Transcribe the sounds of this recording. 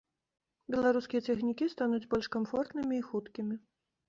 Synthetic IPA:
bʲɛlˠaɾuskʲijɐt̪ʲɛxnʲikʲist̪anud͡zʲbɔlʲʂkamfɔrt̪nɨmʲiːxut̪kʲimʲi

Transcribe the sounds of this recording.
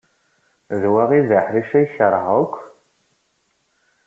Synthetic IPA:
ðwaʁivaħɾiʃæjçəɾˤʁəkʷː

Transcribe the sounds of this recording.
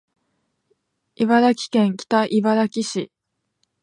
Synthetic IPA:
iβaɾakʲi̥kẽ̞ŋkʲi̥t̪aʔibaɾakʲiɕi

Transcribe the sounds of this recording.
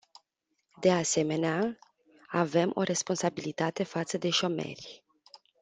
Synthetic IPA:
d̪ease̞me̞nea | ave̞mʔo̞̰ɾʔe̞spo̞nsabilit̪at̪e̞fat̪səd̪e̞ʃo̞me̞̰rʲ

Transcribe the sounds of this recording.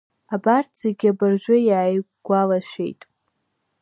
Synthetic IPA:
abartʰz̥eɡʲabarʒᶣʷajaːj | ɡ̥ʷalaʃᶣe̞̰jtʼ

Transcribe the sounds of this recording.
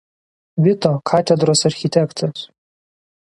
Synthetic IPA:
ʋʲɪt̪ɔkʰat̪ʲɛd̪ɾoːsɐrʲxʲit̪ʲɛkt̪ʰɐs

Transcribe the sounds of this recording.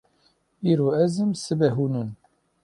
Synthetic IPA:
iːɾoːɛzɨmsɨbɛɦuːnɨn

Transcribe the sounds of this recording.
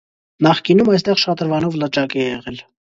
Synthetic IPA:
nɑχkinumɑjst̪ɛʁʃɑt̪əɾvɑnɔvlət͡ʃɑkɛɛɛʁɛl

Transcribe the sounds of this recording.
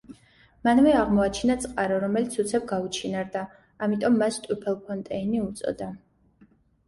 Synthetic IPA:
manvɛaʁmɔat͡ʃʰinat̪sʼqʼaɾɔɾɔmɛlit̪sʰut̪sʰɛb̚ɡaut͡ʃʰinaɾd̪aː | mit̪ʼɔmːast̪ʼupʰɛlˠpʰɔnt̪ʼɛiniut̪sʼɔ̰d̪a

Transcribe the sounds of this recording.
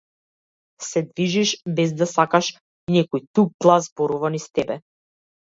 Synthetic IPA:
sɛd̪viʒiʃbɛzd̪asakaʃ | nɛkɔjt̪ub̚ɡlˠazbɔɾuvanist̪ɛbɛ

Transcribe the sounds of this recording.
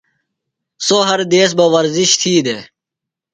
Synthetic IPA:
soɦɐɾd̪eːs̬bɐʋɐɾziɕt̪ʰiːd̪eː

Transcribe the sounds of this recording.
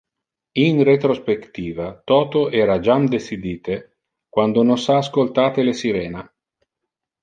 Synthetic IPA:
inret̪ɾospekt̪iːvat̪ɔːt̪oɛːɾad͡ʒamd̪esid̪iːt̪e | kwand̪ononsaːskolt̪aːt̪elesiɾɛːna

